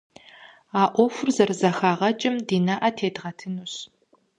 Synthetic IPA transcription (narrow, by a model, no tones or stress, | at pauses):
aːʔʷɔfʷʊrzɐrzɐxaːʁɐt͡ʃʼɪmdiːnɐʔɐtʰeːdʁɐtʰɨnuɕ